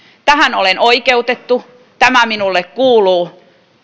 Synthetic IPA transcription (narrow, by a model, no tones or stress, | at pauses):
t̪æhænolenoikeut̪et̪ːu | t̪æmæminulːekkuːluː